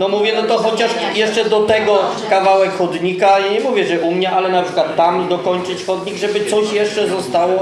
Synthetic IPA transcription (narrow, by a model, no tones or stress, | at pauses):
nɔmuvʲjɛnɔt̪ɔxɔt͡ɕaʂjɛʂt͡ʂɛd̪ɔt̪ɛɡɔ | kavawɛkxɔd̪ɲikajaɲɛmuvʲjɛʐɛʔumɲɛʔalɛnapʂɘ̥kwat̪ːamd̪ɔkɔɲt͡ʂɘt͡ɕxɔd̪ɲiɡʐɛbɘt̪sɔɕjɛʂt͡ʂɛzɔst̪awɔ